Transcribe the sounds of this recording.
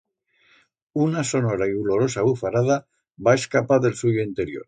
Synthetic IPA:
unaso̞no̞ɾaiulo̞ɾo̞saβufaɾaða | bae̞skapaðe̞lsuʝoint̪e̞ɾjo̰ɾ

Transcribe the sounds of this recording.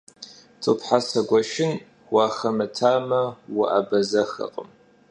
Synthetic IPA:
t͡sʼɨpħasɐɡʷɐʃɪn | waːxɐmɨtʰaːmɐwʊʔabɐzɐxɐ̰qʼəm

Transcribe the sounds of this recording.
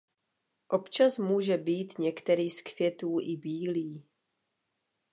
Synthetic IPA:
ʔo̞pt͡ʃasmuːʒɛbiːt̪ɲɛkt̪ɛɾiːskvjɛt̪uːʔɪbiːliː

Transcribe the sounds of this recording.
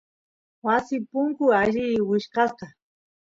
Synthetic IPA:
wasɪpʊŋkʊaʒɪwɪʃkɑsqɑ

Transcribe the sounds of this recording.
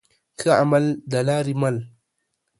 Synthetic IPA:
kʰəamald̪alaɾimal

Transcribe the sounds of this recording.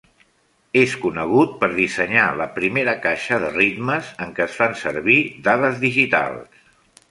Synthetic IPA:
eskunəɣ̞ut̪̚pəɾðisəɲaləpɾimeɾəkaʃəðərit̪məzəŋkəːsfansəɾβid̪aðəzðiʒit̪a̰lˠs

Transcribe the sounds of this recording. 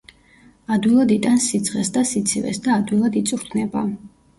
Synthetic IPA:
ad̪wilˠad̪it̪ʼansid̪z̥ʁɛsd̪asit̪sʰivɛ̰sd̪aːd̪wilˠad̪it̪sʼuɾt̪ʰnɛba

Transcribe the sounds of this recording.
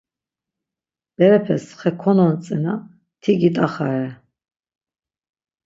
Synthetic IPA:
b̥ɛɾɛpʰɛsχɛkʰɔnɔnt͡sʼɛna | t̪ʰiɡit̪ʼaχaɾɛ

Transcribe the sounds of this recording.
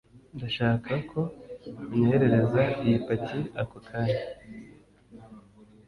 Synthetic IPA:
ndaʃaːkʰakʰo̞ɲeheɾe̞ɾe̞zaijipatʰiakokʰaɾi

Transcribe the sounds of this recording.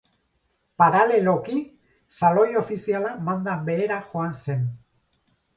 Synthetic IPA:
paɾale̞lo̞ki | salo̞jo̞fisialamand̪ambe̞eɾaxo̞anse̞n

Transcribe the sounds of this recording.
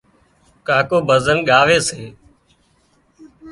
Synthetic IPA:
kaːkoːbʱəzənɠaːʋeːseː

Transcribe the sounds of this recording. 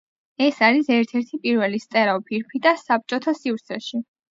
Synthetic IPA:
ɛsaɾisɛɾt̪ʰɛɾt̪ʰipʼiɾvɛlist̪ʼɛɾaɔpʰiɾpʰid̪asap̚t͡ʃʼɔt̪ʰasivɾt̪sʰɛʃi

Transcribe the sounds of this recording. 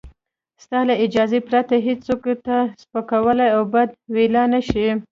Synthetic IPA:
st̪ɑlaɪd͡ʒɑzepɾat̪aɦed͡ʒt͡sokt̪aspakawəlajawbad̪̚welɑnaʃi

